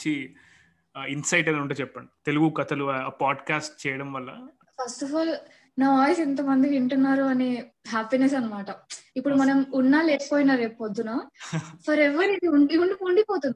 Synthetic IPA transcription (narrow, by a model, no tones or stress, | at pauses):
t͡ʃi | insɐjʈɐnɐuɳʈeːt͡ʃɛpːɐɳɖit̪eluɡukɐt̪ɐluːpaːɖkaːsʈ̚t͡ʃɛːjɐɽɐmʋɐlːɐ | pʰɐɾsʈɐfaːl | naːʋaːjisint̪ɐmɐnd̪iiɳʈunːaːɾuɐni | ɦaːpines̬ɐnːɐmaːʈɐipːuɽumɐnɐmunːaːleːkpoːjinːaːɾeːpod̪ːunaːfʰɐɾɛʋɐɾid̪iuɳɖiuɳɖiuɳɖipoːt̪und̪i